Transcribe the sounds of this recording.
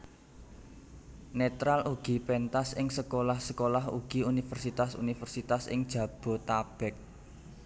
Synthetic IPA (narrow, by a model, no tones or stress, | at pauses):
net̪ɾalʔuɡ̥i̤pɛnt̪asɪŋsəkolahsəkolaɦṵɡ̥i̤unifərsit̪asṵnifərsit̪asɪ̰ŋd̥ʒ̥ä̤b̥ɔ̤t̪ab̥ɛ̤k̚